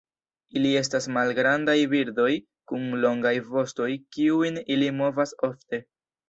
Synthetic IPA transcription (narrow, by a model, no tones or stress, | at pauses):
ilie̞s̬tasmalɡɾandajbiɾdo̞j | kunlo̞ŋɡajvo̞sto̞jkiujnilimo̞vaso̞fte̞